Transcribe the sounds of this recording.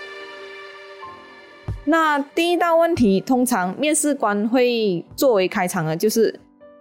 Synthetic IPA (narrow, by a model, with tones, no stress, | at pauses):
na˥˧t̪i˥˧i˥t̪a˥˧ʊwə˥˨nt̪ʰi˨˦t̪ʰʊ˧˥ŋt͡sʰɑ˨˦ŋmjɛ˥˧nsɻ̩˥˨kwa˧nxwe˥˧ɪt͡swɔ˥˨we˨˧˥ɪkʰa˧ɪt͡sʰɑ˨˩ŋə˨t͡ɕjo˥˧ʊʂɻ̩˥˩